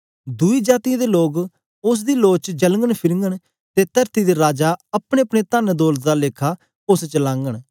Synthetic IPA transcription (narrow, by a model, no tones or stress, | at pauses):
d̪uiːd͡ʒaːt̪ɪjãːd̪eloːɡ | ʊs̬d̪iːloːt͡ʃd͡ʒəlŋɡəɽ̃pʰɪɾŋɡəɽ̃ | t̪et̪əɾt̪id̪iɾaːd͡ʒaːɐpɽ̃eɐpɽ̃et̪aːnd̪oːlt̪d̪aːleːkʰa | ʊst͡ʃəlãːŋɡəɽ̃